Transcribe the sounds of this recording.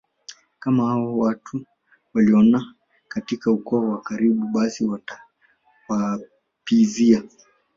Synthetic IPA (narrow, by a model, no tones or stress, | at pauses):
kamahawɔwatʰu | waliɔna | katikaukɔawakaɾiɓuɓasiwaa | wa | pizia